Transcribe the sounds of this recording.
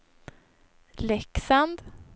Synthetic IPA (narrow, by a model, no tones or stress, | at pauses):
lɛksand̪